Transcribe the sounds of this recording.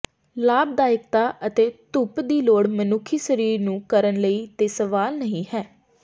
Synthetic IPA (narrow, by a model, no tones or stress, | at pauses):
laːb̚d̪aːɪk̚t̪aːʔət̪eːt̪ʊpd̪iːloːɽmənʊkʰːiːsəɾiːɾnũːkəɾənləiːt̪eːsəʋaːlnəɦĩːhɛː